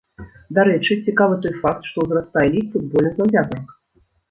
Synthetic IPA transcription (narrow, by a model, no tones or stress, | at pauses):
d̪aɾɛt͡ʂɨt͡sʲikavɨt̪ɔjfakt̪ʂt̪ɔwzrast̪ajɛlʲifud̪̚bɔlʲnɨzɐwvʲat̪ɐrx